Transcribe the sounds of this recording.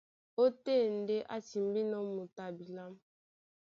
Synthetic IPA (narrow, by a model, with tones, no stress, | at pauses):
o˦te˦˨n̩˨˦de˦ʔa˦ti˨m˦bi˦nɔ˦mu˨ta˨bi˨la˦m